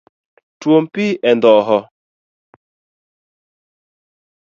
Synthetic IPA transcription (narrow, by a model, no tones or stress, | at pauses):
twompiʔɛndɔʔɦɔ